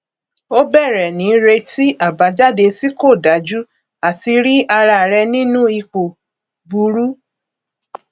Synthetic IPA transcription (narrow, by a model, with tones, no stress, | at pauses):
o˦bɛ˦˨ɾɛ˨nĩ˨˦ɾe˧ti˦ʔa˦˨ba˨˦d͡ʒa˦˨de˧ti˦ko˦˨da˨˦d͡ʒu˦ | a˦˨ti˧ɾi˦a˧ɾa˧˨ɾɛ˧nĩ˦nũ˦i˧k͡po˨ | bu˧˦ɾu˦